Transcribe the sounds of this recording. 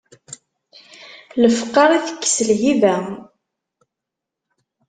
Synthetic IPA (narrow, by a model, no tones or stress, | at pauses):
ləfəqːɑɾˤiθə̥kːsəlɦivæ